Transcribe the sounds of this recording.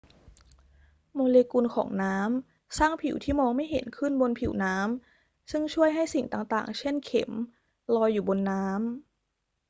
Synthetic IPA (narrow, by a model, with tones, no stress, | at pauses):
moː˧leː˧ku˧nkʰɔ̰ː˩˦ŋnaː˦˥m | saː˥˩ŋpʰi˨˩˦wt̪ʰiː˥˩mɔː˧ŋma˥˩jɦḛ˩˦nkʰɯ˥˩nbo˧npʰḭ˨˩˦wnaː˦˥m | sɯ˥˩ŋt͡ɕʰu˥˩əjɦa˥˩jsi˨˩ŋt̪aː˨˩ŋt̪a̰ː˨˩ŋt͡ɕʰe˥˩nkʰḛ˩˦m | lɔː˧jːuː˨˩bo˧nːaː˦˥m